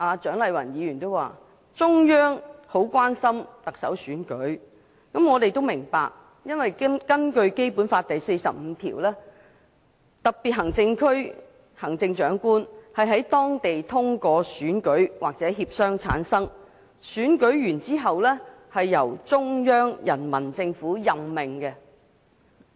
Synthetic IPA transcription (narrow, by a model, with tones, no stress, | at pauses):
ʔaː˨˧t͡ʃœː˨˥ŋlɐ˨˧jwɐ˨˩njiː˨˧jy˨˩nt̪o˥wa̰ː˨˩ | t͡sʊ˥ŋjœː˥ŋho˨˥wkʷaː˥nsɐ˥mt̪ɐ˨k̚sɐ̰˨˥wsyː˨˥nkɵ˨˥ɥ | kɐ˨˥mŋɔː˨˧t̪e˨jt̪o˥wmɪ˨˩ŋpa̰ː˨˧k̚ | jɐ˥nwɐ˨jkɐ˥nkɵ˧ɥke˥jpuː˨˥nfaː˧t̚t̪ɐ˨jse˧jsɐ˨p̚m̩˨˧˦t̪ʰḭː˨˩wlɛː˥ | t̪ɐ˨k̚piː˨t̚ɦɐ˨˩ŋt͡sɪ˧ŋkʰɵ˥ɥ | hɐ˨˩ŋt͡sɪ˧ŋt͡ʃœː˨˥ŋkuː˥nhɐ˨jɦɐ˨˥jt̪ɔː˥ŋt̪e˨jt̪ʰʊ˥ŋkɔː˧syː˨˥nkɵ˨˥ɥwaː˨k̚t͡sɛː˨˥ɦiː˧p̚sœː˥ŋt͡sʰa̰ː˨˥nsɐ˥ŋ | syː˨˥nkɵ˨˥ɥjyː˨˩nt͡siː˥ɦɐ˨wlɛː˥hɐ˨jːɐ˨˩wt͡sʊ˥ŋjœː˥ŋjɐ˨˩nmɐ˨˩nt͡sɪ˧ŋfuː˨˥jɐ˨mːɪ˨ŋkɛ˧